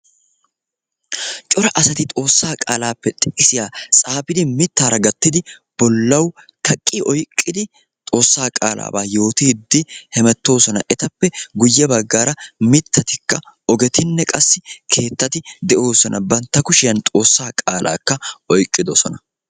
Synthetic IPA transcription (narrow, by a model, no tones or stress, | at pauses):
t͡ʃʼɔɾɐʔɐsɐt̪ɪt̪ʼo̞ːsːaːkʼa̰ːlaːpːɛt̪ʼɪ̥ʔʼɪsɪjaːsʼaːpɪd̪ɪmɪt̪ːaːɾɐɡɐt̪ːɪd̪ɪb̥ɔlːɐw | kʰɐkʼːiʔɔjkʼːɪd̪ɪ | t̪ʼo̞ːsːaːkʼa̰ːla̰ːbaːjo̞ːt̪iːd̪ːɪhɛmɛt̪ːo̞ːsɔnɐ̰ʔɛt̪ɐpːɛɡʊjːɛbɐɡːaːɾɐmɪt̪ʰːɐt̪ɪkːɐɔɡɛt̪ɪnːɛkʼɐsːɪkʰe̞ːt̪ːɐt̪ɪd̪ɛʔo̞ːsɔnɐbɐnt̪ːɐkʊʃɪjɐnt̪ʼo̞ːsːaːkʼaːlʔa̰ːkːɐʔɔjkʼːɪd̪ɔsɔnɐ